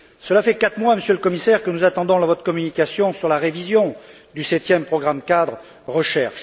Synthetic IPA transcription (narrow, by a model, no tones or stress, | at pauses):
səlafɛkat̪χmwaməsjøləkɔmisɛʁkənuzat̪ɑ̃d̪ɔ̃lvɔt̪χəkɔmynikasjɔ̃syʁlaʁevizjɔ̃ | d̪ysɛt̪jɛmpχɔɡʁamkad̪ʁ | ʁəʃɛʁʃ